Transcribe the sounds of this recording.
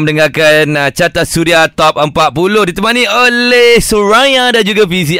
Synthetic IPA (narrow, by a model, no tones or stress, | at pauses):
mənəŋakanət͡ʃat̪at̪̚suɾiat̪ɔp̚əmpat̪̚pulohdit̪əmanĩəlehsuɹajãdand͡ʒuɡafis̬i